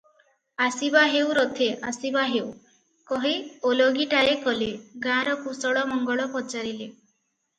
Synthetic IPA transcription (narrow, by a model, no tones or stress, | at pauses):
asibaɦewɾot̪ʰeʔasibaɦew | kɔɦioloɡiʈajekɔleɡãɾɔkusɔɽɔmɔŋɡɔɭɔpɔt͡ʃaɾile